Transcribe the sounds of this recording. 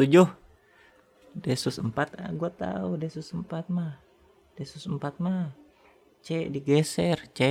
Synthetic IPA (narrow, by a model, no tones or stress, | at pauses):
t̪ud͡ʒʊh | dɛsusəmpat̪a̰ɡuat̪a̰udɛsusəmpat̪̚mah | d̥ɛsusəmpat̪̚ma | t͡ʃɛʔdiɡɛsɛrt͡ʃɛ